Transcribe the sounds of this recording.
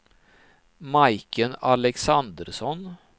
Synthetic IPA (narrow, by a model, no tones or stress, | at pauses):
maɪkənɑlɛksɑnd̪əɾsɔn